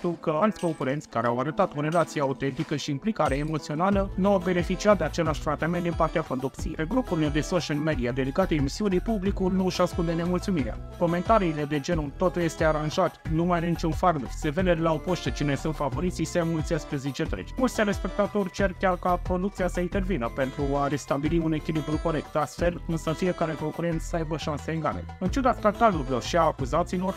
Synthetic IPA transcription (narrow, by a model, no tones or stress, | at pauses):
t̪ukəalt̪sʲko̞mkuɾe̞nt̪sʲkaɾeawaɾət̪at̪oɾe̞lat̪siaaut̪ent̪ikəʃiːmplikaɾeemot̪sio̞nalənuawbe̞ne̞fit͡ʃiat̪̚d̪eat͡ʃe̞laʃt̪ɾat̪ament̪d̪inpart̪eafond̪optsʲijeɡɾupulned̪e̞soʃialmed̪iad̪e̞d̪ikat̪eemisiunipublikunuʃaskund̪ene̞mult̪sumiɾea̰ | ko̞me̞nt̪aɾiːle̞d̪e̞d͡ʒe̞nut̪ot̪uje̞st̪e̞aɾanʒat̪numajnenit͡ʃunfaɾnufse̞ve̞d̪ed̪laopoʃt̪et͡ʃinejsunt̪favo̞ɾit̪sisemult̪sʲaspezit͡ʃet̪ɾḛt͡ʃmult̪seɾe̞spe̞k̚t̪at̪o̞rʲt͡ʃe̞rkʲarkapɾo̞d̪uk̚t̪siasəint̪e̞rvinəpe̞nt̪ɾuaɾe̞st̪abiliune̞kʲilibɾuko̞ɾek̚t̪ast̪fe̞lɨnsəfiekaɾeko̞ŋkuɾe̞nt̪ssəajbəʃanseeŋɡa̰lḛɨnt͡ʃed̪at̪kat̪aluboʃiaːkuzat̪silo̞r